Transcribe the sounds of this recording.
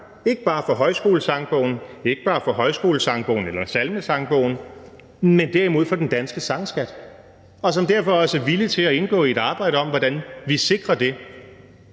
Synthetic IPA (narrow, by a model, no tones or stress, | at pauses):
e̝ɡ̥əb̥ɑ̈ːfɒ̽ɦɒ̽ɪsɡ̥o̝̰ːləsɑ̈ŋb̥ɔ̰ʊ̰n̩e̝ɡ̥əb̥ɑ̈ːfɒ̽ɦɒ̽ɪsɡ̥o̝ːləsɑ̈ŋb̥ɔ̰ʊn̩elɐsælməsɑ̈ŋb̥ɔ̰ʊ̰n̩ | mend̥æɐ̰imo̝ð̞̰ˠfɒ̽d̥end̥ænsɡ̥əsɑ̈ŋsɡ̥æd̥ | ɒ̽sɒ̽md̥æɐ̰fɒ̽ɒ̽sæɐʋilit͡sʰe̝læe̝nɡ̥ɔ̰̽ːie̝ɾ̥ɑ̈ːb̥ɑ̈ɪɾəɒ̽mʋɒd̥ænʋise̝ɡ̥ʁɐd̥e̝